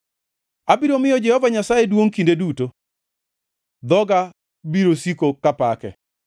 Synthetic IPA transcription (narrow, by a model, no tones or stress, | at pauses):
abiɾomɪjɔd͡ʒɛhɔvaɲasajedwoŋkindeduto | d̪ɔɡa | biɾosikokapakɛ̰